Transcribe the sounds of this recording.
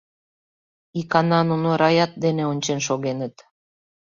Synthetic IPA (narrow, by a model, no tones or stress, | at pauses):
ikɑnɑnunoɾɑjɑt̪̚d̪eneonʲt͡ɕenʃoɣenət̪